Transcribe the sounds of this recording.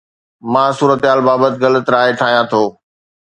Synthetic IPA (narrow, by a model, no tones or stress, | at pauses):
mãːsuːɾət̪ɦaːlbaːbət̪ɪɣɐlət̪ɾaːɦeʈʰaːɦijãt̪ʰoː